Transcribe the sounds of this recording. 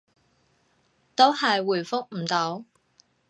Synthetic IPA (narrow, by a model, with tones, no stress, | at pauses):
t̪o˥whɐ˨jwuː˨˩jfʊ˥k̚m̩˨˩t̪o˨˥w